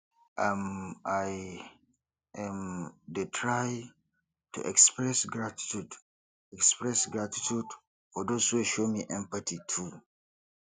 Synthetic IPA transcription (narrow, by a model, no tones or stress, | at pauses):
ʔamaj | ʔɛ̃mdətʰɹaj | tṵʔɛkspɹɛsɡɹati̥tud | ɛkspɹɛsɡɹati̥tʰud | fɔdoshuɛʃomiʔɛ̃mpatʰitʰu